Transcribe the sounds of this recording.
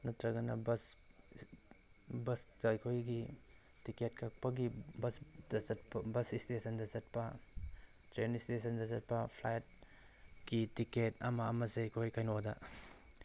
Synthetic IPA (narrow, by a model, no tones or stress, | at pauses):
nɐtɾɐɡɐnɐbɐs | bɐsdɐɐjkʰojɡi | tiket̚kʰak̚pɐɡibɐsdɐzɐt̚pbɐsistesɐndɐzɐt̚pɐ | tɾenistesɐndɐzɐt̚pɐpʰlajt̚ | ɡitiketɐ̰mɐɐmɐseɐjkʰojkajnodɐ